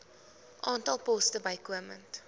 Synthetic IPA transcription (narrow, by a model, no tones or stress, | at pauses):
ʔɑːntɐlˠpɔstəbɐjkuəmə̰nt